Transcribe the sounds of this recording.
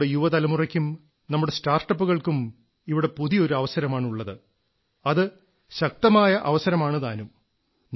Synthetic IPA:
ɽejuʋɐt̪ɐlɐmurɐkʲːum | nɐmːuɽe̞staːrʈːɐpːuɣɐɭkum | iʋiɽe̞puðijo̞ɾuɐʋɐsɐɾɐmaːɳuɭːɐðɨ | ɐðɨ | ɕɐk̚t̪ɐmaːjɐʔɐʋɐsɐɾɐmaːɳɨt̪aːnum | n

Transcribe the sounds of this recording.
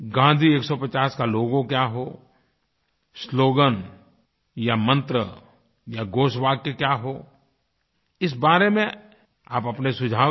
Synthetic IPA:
ɡãːnd̪ʱieːksɔpɐt͡ʃaːskaloːɡõkjaɦoː | sloːɡən | jamə̃nt̪ɾə | jaɡoːʃbaːɡ̚kekjaːɦoː | ɪsbaːɾemẽ | aːpɐpnesʊd͡ʒʱaː

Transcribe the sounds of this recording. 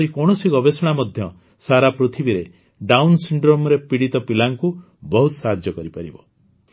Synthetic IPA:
ɾikɔɽ̃ɔsiɡɔbesɔɽ̃amɔd̪ʱjɔ | saɾapɾut̪ʰibiɾe | ɖawnsiɳɖɾomɾepiɽit̪ɔpilaŋku | bɔɦut̪ɔsaɦad͡ʒjɔkɔɾipaɾibɔ

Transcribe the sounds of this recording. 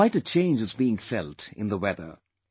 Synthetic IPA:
aɪʈɨt͡ʃʰẽɪ̃nd͡ʒɨzbiɪ̃ŋfɛltɪ̰̃nðəwɛðə̰˞

